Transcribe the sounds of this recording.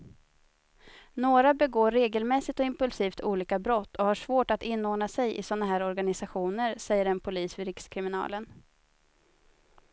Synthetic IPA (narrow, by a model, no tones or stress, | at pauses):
noːɾabɛɡoːɾːeːɡəlmɛsɪt̪ɔɪmpɵlsiːft̪ʰuːliːkabɾɔt̪ːɔhaʂvoːʈat̪ɪnːoːɖɳasɛjʔɪ̰sɔnːaɦæːɾɔɾɡanɪsaɧuːnəɾsɛjːəɾɛnpʰʊliːsvɪɾɪkskʰɾɪmɪnɑ̰ːlən